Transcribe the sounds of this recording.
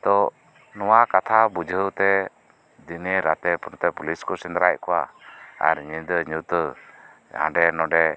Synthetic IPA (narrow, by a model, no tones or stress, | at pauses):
t̪ɔ | nɔwakat̪ʰabud͡ʒʱəwt̪ɛ | d̪ineɾat̪ɛpɔnɔt̪ɛpuliskɔsɛnd̪ɾaʔ̚kɔwaa̰ɾɲind̪əɲut̪ə | ã̰ɖɛnɔɖɛ